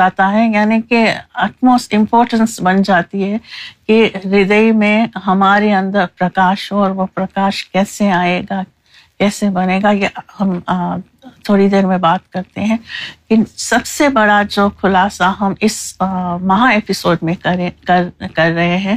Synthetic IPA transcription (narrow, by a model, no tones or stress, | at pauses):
aːt̪aɦɛjaːnikiɐʈmoːsʈɪ̃mpɔːɾʈə̃nsbɐnd͡ʒaːt̪iɦɛkiɾɪd̪əimẽɦɐmaːɾeɐ̃nd̪əɾpɾɐkaːʃɦɔːɾʋopɾɐkaːʃkɛːseaːeːɡa | kɛːsebɐneːɡajehɐm | t̪ʰoːɽid̪eːɾmẽbaːt̪kɐɾt̪eɦɛ̃kɪnsɐbsebɐɽad͡ʒoːkʰʊlaːsaɦɐmɪsmɐɦaeːpɪsoːɖmẽkɐɾekɐɾkɐɾːɐɦeɦɛ̃ː